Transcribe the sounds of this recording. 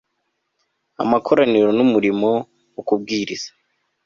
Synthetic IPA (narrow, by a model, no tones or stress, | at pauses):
a̰makʰo̞ɾaniɾo̞numuɾimo̞ | ukub̚ɡiːɾiz̥ḁ